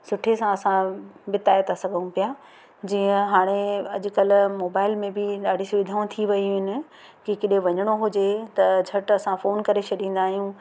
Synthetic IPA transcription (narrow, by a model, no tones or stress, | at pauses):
sʊʈʰesãɐsãbɪt̪aːjt̪ʰasɐɡʱəũpija | d͡ʑiːə̃ɦaːɽ̃eɐʄʊ̆kɐlʊmoːbaːɪlmẽbɪɗaːɖʱisʊʋɪd̪ʱãːt̪ʰiʋɐiɦɪnɪ̆ | kikɪɗẽʋɐɲəɽ̃oɦʊd͡ʑet̪ɐd͡ʑʱɐʈɐsãfoːnkɐɾet͡ɕʰɐɗĩːn̆d̪aːɦijũ